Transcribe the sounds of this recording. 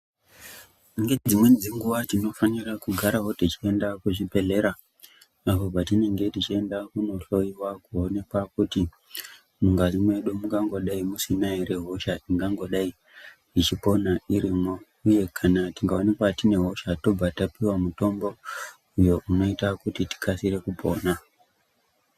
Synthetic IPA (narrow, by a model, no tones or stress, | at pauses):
iŋɡed͡zimwe̞d͡ziŋɡuʋatino̞fanirakuɡʱaɾaɦo̞tit͡ʃie̞ndakuʐipe̞ɮe̞ɾaː | pob͡vatine̞ŋɡe̞tit͡ʃie̞ndakuno̞ɬo̞iwakuo̞ne̞kwakuti | muŋɡazimwe̞ɗomuŋɡaŋɡo̞ɗaimusinaiɾe̞ɦo̞ʃaʔiŋɡaŋɡo̞ɗai | it͡ʃipo̞naiɾimo̞ | uje̞kʰanatiŋɡao̞ne̞kwatine̞ɦo̞ʃato̞b͡vatapiwamuto̞mbo̞ | ujo̞ʔuno̞itakutiti̥kʰasiɾe̞kupʰo̞ːna